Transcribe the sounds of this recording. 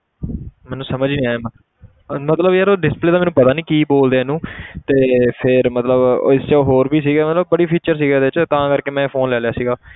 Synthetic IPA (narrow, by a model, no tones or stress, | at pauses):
mɛːnũːsəməd͡ʒnĩːaːeːmə | mət̪ləbjaːɾoːɖɪspleːd̪aːmɛːnũːpət̪aːnĩːkiːboːld̪eːɛnũːt̪eːpʰɪɾmət̪ləbɪst͡ʃaːɦoːɾbʱiːs̬iːɡɛːmət̪ləb̚ːəɽiːpʰiːt͡ʃəɾsiːɡɛːd̪eːɪt͡ʃt̪ãːkəɾkeːmɛ̃ːpʰoːnlɛːljaːsiːɡaː